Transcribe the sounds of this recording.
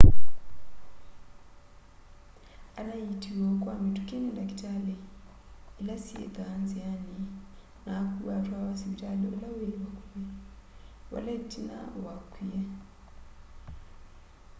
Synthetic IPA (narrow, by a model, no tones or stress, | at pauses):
anajitʰiwɔkʼwamitukenɛndakitale | ilasiḛɡanziani | nakuβatʰwawasiβitʼaleolaweβakulɛ | wa̰latʰʼina̰wakʰwija